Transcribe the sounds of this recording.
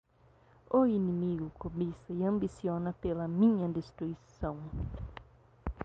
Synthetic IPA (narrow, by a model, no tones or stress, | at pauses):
oinimiɡʊkobisɐiɐ̃mbisionɐpelɐmĩɲɐd̪est̪ɾuisɐ̃w̃